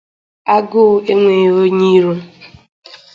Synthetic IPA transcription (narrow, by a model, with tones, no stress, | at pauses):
a˦ɡʊ˦e˦ŋʷe˨wo˦ɲi˦ɾo˦